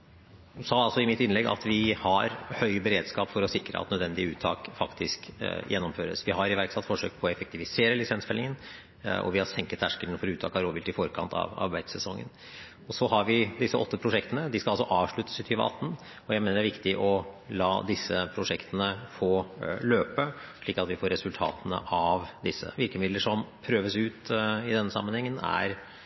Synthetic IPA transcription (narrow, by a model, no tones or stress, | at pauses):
sɑːɑlsɔɪmɪt̪ɪnlɛɡːɑ̰t̪ʰʋɪhɑɾhœʏbəɾeːd̪skɑːpfɔɾɔsɪkɾəʔɑ̰t̪nœd̪ʋɛnd̪ɪəʉːt̪ʰːɑ̰ːkfɑkt̪ʰɪskjɛnːɔmføːɾə̰sʋɪhɑɾɪʋæɾksɑt̪ːfɔʂø̰ːk̚pʰɔɔɛfɛkt̪ɪʋɪseːɾəlɪsɛnsfɛlɪŋən | ɔ̰ʋɪhɑɾsɛŋkət̪ʰæʂkəlnfɔɾɔʉːt̪ʰɑ̰ːkɑɾoːbɪlt̪ɪlfɔɾkʰɑ̰nt̪ʰɑ̰ʋɑ̰ɾbæɪd̪sɛsɔŋːə̰n | ɔsɔhɑɾʋɪd̪ɪsːəʔɔt̪ːəpʰɾʊʂɛkt̪ənəd̪ɪskɑɑlsɔʔɑːʋʂɭʉt̪ːə̥sɪt̪ʰyːʋə̰ɑ̰t̪ːn̩ | ɔjæɪmeːnəɖæɾʋɪkt̪ɪʔɔlɑːd̪ɪsːəpʰɾʊʂɛkt̪ənəfoːløːpəʂɭiːkɑt̪ʋɪfoːɾɛsʉlt̪ʰɑ̰ːt̪ənə̰ʔɑʋd̪ɪsːə̰ʋɪɾkəmɪd̪əʂɔmpʰɾøːʋəsʉːt̪ɪd̪ɛnːəsɑ̰mːənhɛŋːənæ̰ɾ